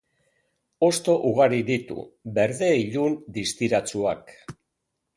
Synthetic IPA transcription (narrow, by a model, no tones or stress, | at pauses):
o̞st̪o̞ʔuɣaɾiðit̪ṵbe̞ɾðe̞iʎund̪ist̪iɾat͡suak